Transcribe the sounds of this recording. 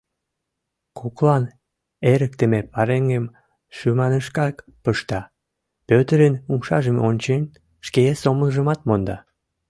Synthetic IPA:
kʰoklɑn | eɾək̚t̪əmepɑɾeŋɡem | ʃymɑnəʃkɑk | pəʃt̪ɑ | pøt̪əɾənumʃɑʒəmonʲt͡ɕen | ʃkesoməlʒəmɑt̪mond̪ɑ

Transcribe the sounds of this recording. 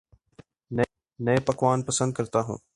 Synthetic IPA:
nə | nəepɐkʋaːnpəsə̃nd̪̚kəɾt̪aːɦṵ̃ː

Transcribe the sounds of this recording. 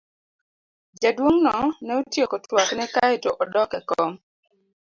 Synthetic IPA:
d͡ʒadwoŋnɔnɛotjekɔtwaknɛkaɛtoʔɔdɔkɛkɔm

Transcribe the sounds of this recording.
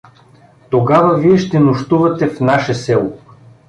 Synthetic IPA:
t̪oɡavɐviɛʃt̪ɛnoʃt̪uvɐt̪ɛfnaʃɛsɛlˠo

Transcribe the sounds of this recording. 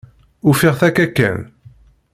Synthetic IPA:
ʊfiʁθækːækːæ̰n

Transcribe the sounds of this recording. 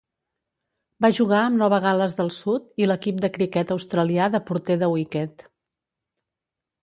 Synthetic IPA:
baʒuɣaəmnɔβəɣ̞aləzðəlˠsut̪iləkip̚d̪əkɾikɛt̪əwst̪ɾəliaðəpuɾt̪eðəwikɛt̪

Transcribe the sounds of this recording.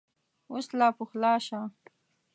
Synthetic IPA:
oslɑːpuxlɑːʃa

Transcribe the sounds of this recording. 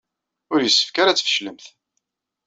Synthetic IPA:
ʊɾjəsːə̥fkaɾat͡sːfə̥ʃləmθ

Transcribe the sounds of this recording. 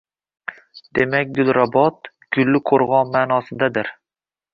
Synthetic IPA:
d̪̥e̞makʲd̪ʊlˠɾabɒt̪ | ɡ̥ʊlːɪqʰoɾʁɒnmaːnɒsɪd̪ad̪ɪɾ

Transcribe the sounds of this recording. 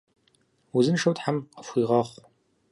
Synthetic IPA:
uzɨnʂɐwtħamqəfʷiːʁɐχʷ

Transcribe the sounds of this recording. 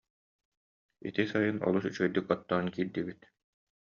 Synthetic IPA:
ḭt̪isajɯnɔ̰lˠusyt͡ɕœjd̪ykɔt̪ːaːnkiːɾd̪ibit̪

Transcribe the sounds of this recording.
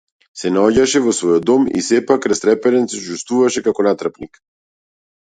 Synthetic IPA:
sɛnaɔɟaʃɛvɔsvɔjɔd̪ɔmḭsɛpakːɾɛst̪ɾɛpɛɾɛnsɛt͡ʃust̪vuvaʃɛkakɔnat̪ɾapnik

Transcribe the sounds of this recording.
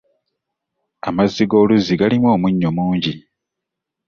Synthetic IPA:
amazːiɡo̞ːluziɡalimwo̞ːmuɲːo̞muːɲɟi

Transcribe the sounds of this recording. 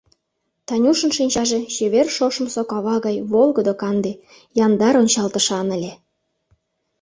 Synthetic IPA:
t̪ɑnʲuʃə̆nʃinʲt͡ɕɑʒet͡ɕeβerʃoʃə̆msokɑβɑɣɑjβolˠɡəd̪okɑnd̪e | jɑnd̪ɑɾonʲt͡ɕɑlt̪ə̆ʃɑnə̆lʲe

